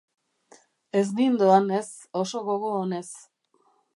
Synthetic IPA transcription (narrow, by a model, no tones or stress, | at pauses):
ez̬bind̪oane̞s | o̞so̞ɣo̞ɣo̞ːne̞s